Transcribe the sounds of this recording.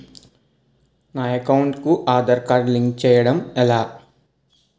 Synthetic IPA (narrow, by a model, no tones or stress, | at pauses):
naːjɐkɐwuɳʈkuʔaːd̪ɐɾkaːɾliŋɡt͡ʃɛːjɐɽɐmɛlaː